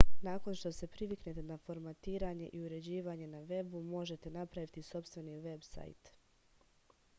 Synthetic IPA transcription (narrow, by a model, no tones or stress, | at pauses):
naːko̞nʃt̪o̞se̞pɾiʋiknet̪e̞nafo̞ɾmat̪iːɾaɲe̞̰ʔiuɾe̞d͡ʑiːʋaːɲe̞naʋe̞bumo̞ʒe̞t̪e̞napɾaʋit̪iso̞pst̪ʋe̞niʋe̞bsa̰jt̪